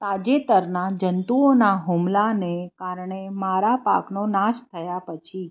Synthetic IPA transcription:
t̪ad͡ʒet̪əɾnad͡ʒənt̪uonaɦumlanekaɾɳemaɾapa̰knonaʃt̪ʰəjapət͡ʃʰi

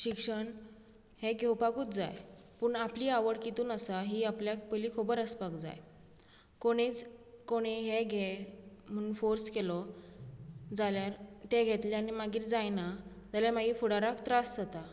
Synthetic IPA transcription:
ɕikʂəɳ | heɡʱewpakuːt̪d͡za̰j | puːɳapliːaʋəɽkit̪uːnəsaɦiːapljak̚pəlikʰobəɾəspakd͡za̰j | koɽ̃it͡skoɽ̃iɦeɡʱem̤ənunfoɾskelɔ | d͡zaljaɾt̪eɡʱet̪liañimaɡiːɾd͡zajna | d͡zaljamaɡiːfuɽaɾakt̪ɾasd͡zat̪a

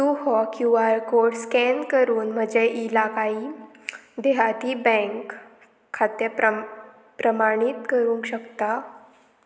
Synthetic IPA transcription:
t̪uɦɔkjũʋaɾkoɽskɛnkəɾuːnm̤əd͡ʑeʔilakai | d̪eɦat̪iːbɛ̃ŋkʰː | at̪jəp | pɾəmaɽ̃it̪kəɾũŋkɕəkt̪a

